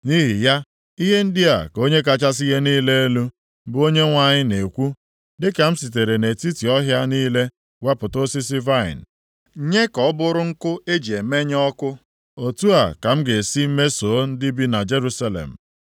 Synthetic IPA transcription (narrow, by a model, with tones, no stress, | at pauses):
ni˦ɦi˨ja˦ | i˦ɦe˦n̩˦dɪ˦a̰˨ko˦ɲe˦k̬a˦t͡ʃa˦s̬i˦ɦe˦niː˦le˦e˦lu˦ | bʊ˦o˦ɲe˦ŋʷa˨ɲɪ˦ne˨kʷu˦ | dɪ˦ka˨m̩˦si˨te˨ɾe˨ne˨ti˦ti˨ɔ˦ɦja˦niː˦le˦ | we˦pʊ˨to˦si˦s̬ɪ˦va˦ɪ̰˨n̩˨˦ | ɲe˦kɔ˨˦bʊ˦ɾʊ˦ŋ̩˦kʊ˦e˦d͡ʒi˨e˨me˦ɲ˦ɔ˦kʊ˦ | o˨tu˦a˨ka˨m̩˦ɡe˨si˦m̩˦me˦so˨˦n̩˦dɪ˦bi˦na˨d͡ʒe˦ɾu˦sa˦lḛ˨m̩˨